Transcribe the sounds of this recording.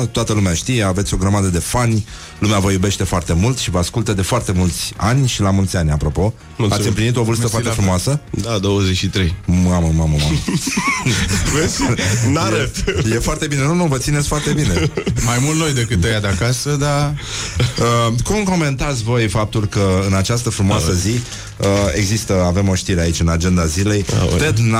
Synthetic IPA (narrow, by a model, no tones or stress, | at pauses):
t̪oat̪əlumeaʃt̪ijeavet̪ʲo̞ɡɾəmad̪əd̪e̞fanʲ | lumeavəjube̞ʃt̪e̞foart̪e̞mult̪ʃivəaskult̪əd̪e̞foart̪e̞mult̪sʲanʲʃilamult̪sʲanʲapɾo̞po̞ | at̪sʲɨmplinit̪o̞vɨlst̪əfoat̪efɾumoasəd̪ad̪owəzet͡ʃʃit̪ɾejmaməmaməmamə | vesnaet̪je̞foart̪e̞bine̞nunuvət̪inet̪sʲfoart̪e̞bine̞majmult̪no̞jd̪e̞kɨt̪ːəjad̪eakasəd̪a | əkumko̞me̞nt̪at̪sʲvo̞jfap̚t̪ulkəɨnat͡ʃast̪əfɾumoasəzi | əe̞ɡzist̪əave̞mo̞ʃt̪iɾe̞ait͡ʃʲɨnad͡ʒe̞nd̪azile̞j̪ed̪n